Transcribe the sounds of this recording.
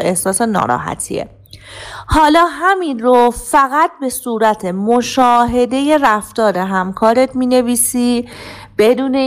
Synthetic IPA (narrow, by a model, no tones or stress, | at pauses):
e̞hsɒːsenɒ̰ːɾɒ̰ːɦæ̰t̪ʰḭːḛ | hɒːlɒːɦæminrofæɣæt̪̚be̞suːɾæt̪ʰemoʃɒːɦe̞d̪e̞je̞ɾæft̪ɒːɾe̞ɦæmkʰɒːɾet̪miːne̞viːsiː | b̥e̞d̪uːne̞